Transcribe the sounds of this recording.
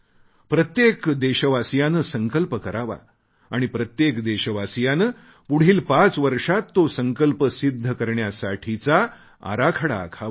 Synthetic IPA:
pɾət̪jekd̪eɕəʋasjanəsəŋkəlpəkəɾaʋa̰ | aɽ̃ipɾət̪jekd̪eɕəʋasjanə | puɽ̤iːlpat͡sʋəɾʂat̪ːosəŋkəlpəsid̪ʱːəkəɾɳjasaʈʰit͡sa | a̰ɾakʰəɽa̰ːkʰaʋa

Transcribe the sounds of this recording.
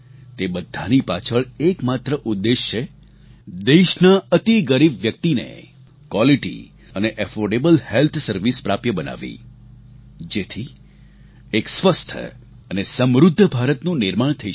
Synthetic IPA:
t̪ebəd̪ʱanipat͡ʃʰəɭekmat̪ɾəʔud̪ːeʃt͡ʃʰe | d̪eʃnaət̪iɡəɾibʋjək̚t̪inḛ | kwaliʈḭ | əneʔəfoɾɖebəlhelt̪ʰsəɾʋispɾapjəbəna̰ʋḭ | d͡ʒet̪ʰi | eksʋəst̪ʰə̰ | ənesəmɾud̪ʱːəbʱaɾət̪nũnɪɾmaɳt̪ʰəi

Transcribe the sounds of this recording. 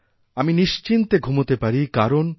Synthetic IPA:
aminiʃt͡ɕint̪eɡʱumot̪epaɾikaɾon

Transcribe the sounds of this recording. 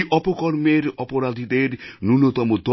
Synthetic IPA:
ʔɔpɔkɔɾmeɾɔpɔɾad̪ʱid̪eɾnunot̪ɔmud̪ɔ

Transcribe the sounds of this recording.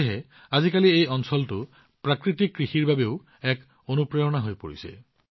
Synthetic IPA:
ɦe | azikaliejɔnsɔltu | pɹakɹitikːɹixiɹbabeʊ | ɛk | onupɹejɔnaɦojpo̰ɹisḛ

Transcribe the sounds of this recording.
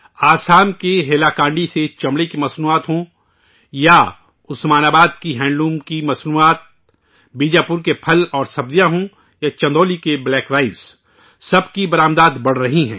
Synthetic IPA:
aːsaːmkeɦeːlakãːɳɖiset͡ʃɐ̃mɽekimɐsnuːaːt̪ɦõ | ja | ʊsmaːnaːbaːd̪kiɦɛ̃ːɳɖlũːmkimɐsnuːaːt̪̚ | biːd͡ʒaːpʊɾkepʰɐlɔːɾsɐb̚d̪ijãɦõ | jat͡ʃɐ̃nd̪oːlikeblɛːkɾaːɪz | sɐbkibɐɾaːmd̪aːd̪bɐɽ̤ɾɐɦiɦɛ̰̃ː

